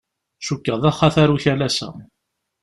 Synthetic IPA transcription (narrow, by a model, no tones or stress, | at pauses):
ʃukːəðˤæχːaθaɾuçælæsæ̰